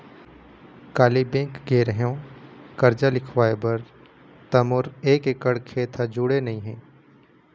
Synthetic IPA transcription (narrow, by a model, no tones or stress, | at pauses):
kaːlibẽːkɡeːɾɦõkɐɾd͡ʒalɪkʰʋaːebɐɾ | t̪ɐmoːɾeːkekəɽkʰeːt̪ʰad͡ʒʊɽenɐɦĩɦɛ̃ː